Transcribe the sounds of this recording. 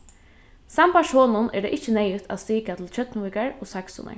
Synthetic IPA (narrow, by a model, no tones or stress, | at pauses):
sampaʂhɔːnʊnʔɛ̰d̪ɛ̰ʔɪht͡ʃːənɛjʊt̪ʰa̰ðst̪iːkat̪ʰɪlt͡ʃœt̪nɪʋɪkaɹɔsaksʊ̰na̰ɹ